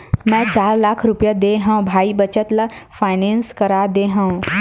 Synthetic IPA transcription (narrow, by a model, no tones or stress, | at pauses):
mɛ̃t͡ʃaːɾlaːkʰɾʊpjad̪eɦãbʱaːibət͡ʃət̪lafʰaːɪnẽːnskɐɾaːd̪eɦãũ